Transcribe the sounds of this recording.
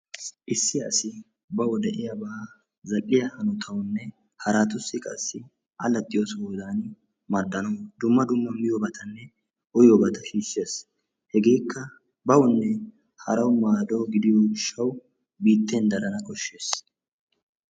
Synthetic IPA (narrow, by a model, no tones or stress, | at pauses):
ʔɪsːɪjɐsɪ | bɐwɔd̪ɛʔɪjɐbɐ | zɐʔɪjɐhɐnʊt̪ʰɐwʊnːɛ | hɐɾaːt̪ʊsːɪkʼɐ̰sːɪ | ʔɐlɐt̪ʼːɪjosoːd̪aːnɪ | mɐd̪ːɐnɔwd̪ʊmːɐd̪ʊmːɐmɪjɔbɐt̪ʰɐnːɛ | ʔʊjobɐt̪ɐʃiːsːe̞ːs | hɛɡe̞ːkʰːɐ | bɐwɔnːɛ | hɐɾɐwmaːd̪o̞ːɡɪd̪ɪjoɪʃːɐw | biːt̪ʰːeːnd̪ɐɾɐnɐkʼɔʃːe̞ːs